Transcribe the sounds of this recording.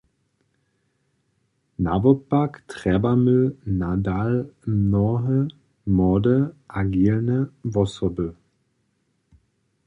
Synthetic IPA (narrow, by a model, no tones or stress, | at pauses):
navɔpaktʁ̥ɛbamynadalnɔɦə | mɔːdəʔaɡiːlnəvɔsɔbə